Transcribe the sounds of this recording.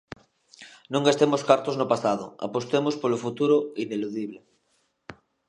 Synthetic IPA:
nũŋɡast̪emoskaɾt̪oznopasað̞o̰a̰post̪emospolofut̪uɾoineluðiβ̞le

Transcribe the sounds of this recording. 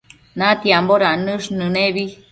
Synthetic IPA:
nãt̪iamboɾanɨ̃ʂnɨ̃neβi

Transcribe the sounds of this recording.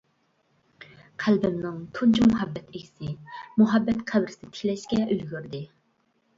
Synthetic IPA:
qʰælbɪmnɪŋt̪ʰunt͡ʃʰumʊɦɛbːɛt̪ʰɪkʲʰi̥sɪmʊɦɑbːɛt̪qʰæbɾɪsɪd̪ɪt̪ʰi̥kʲlɛʃkʲɛʔølɡʲyɾd̪ɪ

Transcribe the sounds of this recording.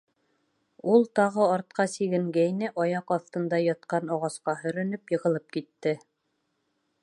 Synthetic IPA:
ulˠt̪ɑʁɤɑɾt̪̚qɑsiɡɘ̆ŋɡæjnɘʔɒjɑqɑθt̪ɤ̆nd̪ɑjɑt̪̚qɑnɑʁɑsqɑɦɵ̆ɾɘ̆nɵpjɤ̆ʁɤ̆lˠɤp̚kit̪ːɘ

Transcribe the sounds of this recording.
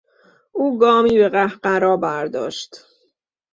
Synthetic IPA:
ʔuːɡɒːmiːbe̞ɢæhɢæɾɒːbæɾd̪ɒ̰ːʃt̪

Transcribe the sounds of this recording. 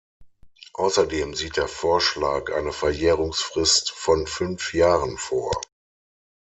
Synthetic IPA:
ʔaʊsɐdeːmziːt̚d̥eːɐfoːɐʃlaːkʔa̰ɪnəfɛɐjeːʁʊŋsfʁ̥ɪstfɔnfʏnfjaːʁənfoːɐ

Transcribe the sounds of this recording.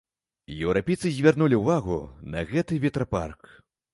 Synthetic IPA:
jɛwɾapʲejt̪sɨzʲvʲarnulʲiuvaɣṵnɐ̰ɣɛt̪ɨvʲɛt̪ɾapa̰rk

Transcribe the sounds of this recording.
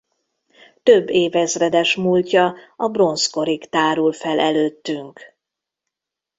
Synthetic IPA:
t̪øbːeːvɛzrɛd̪ɛʃmuːlcɒɒbro̞nsko̞ɾikt̪aːɾulfɛlʔɛløːt̪ːyŋk

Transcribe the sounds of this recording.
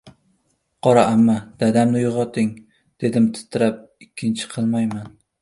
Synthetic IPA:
qʰɒɾaʔamːad̪̥ad̪amnɪjʊʁɒt̪ʰɪŋ | d̪̥e̞d̪ɪmt̪ʰɪ̥t̪ʰːɪɾap̚ | ɪkʲʰːɪnt͡ʃʰɪ̥qʰɨlˠmajman

